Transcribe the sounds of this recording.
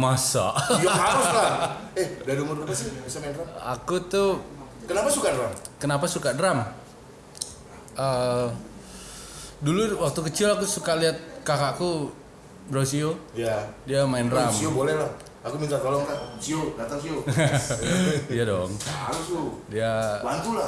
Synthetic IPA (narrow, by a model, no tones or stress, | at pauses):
masa̰haɾʊslaɛhdadumʊuasibisamaɪnraakut̪u | kənapasukadɾam | kənapasukadəɾam | ʔə | duluwak̚t̪ukət͡ʃɪlakusukaliat̪̚kakaku | bəɾaas̬ioijadiamaɪnramiobolɛhlah | akumint̪at̪olɔŋk̪asiodat̪aŋsio | ijadɔŋaɾʊsodiabant̪ula